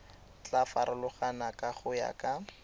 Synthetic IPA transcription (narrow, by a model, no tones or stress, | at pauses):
t͡ɬafaɾʊlʊχanakʼaχʊja̰kʼa